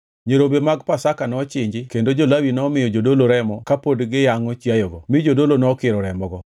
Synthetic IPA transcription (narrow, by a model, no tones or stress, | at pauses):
ɲeɾobemaɡpasakanɔt͡ʃɪɲd͡ʒɪkendod͡ʒolawinɔmɪjɔd͡ʒodoloɾɛmɔkapodɡɪjaŋɔt͡ʃjajɔɡɔmɪd͡ʒodolonɔkɪɾɔɾɛmɔɡɔ